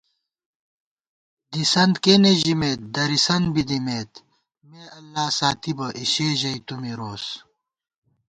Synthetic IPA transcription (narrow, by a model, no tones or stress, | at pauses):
d̪isɐnd̪keːneʑimeːt̪̚d̪ɐɾisɐnbid̪imeːt̪ | meːɐlːaːsaːt̪ibɐʔiɕeːʑɐjt̪umiɾoːs